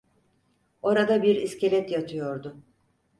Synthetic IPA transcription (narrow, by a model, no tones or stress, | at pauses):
o̞ɾad̪abiɾiscʰe̞lʲɛt̪jat̪ʰɯjo̞ɾd̪ʊ